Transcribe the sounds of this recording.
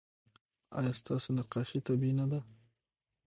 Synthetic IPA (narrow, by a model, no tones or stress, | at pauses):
ɑ̰jɑst̪ɑsonaqɑʃit̪abinad̪a